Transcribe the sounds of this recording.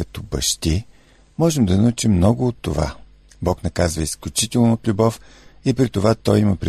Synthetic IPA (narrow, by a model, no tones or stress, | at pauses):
kɐt̪ɔbɐʃt̪i | mɔʒɛmd̪ɐnɐut͡ʃimːnɔɡʊot̪ːova̰ | bɔknɐkazvəisklʲʊt͡ʃit̪ɛlˠnoːt̪lʲubɔfipɾit̪ovat̪ɔjimɐpɾɛ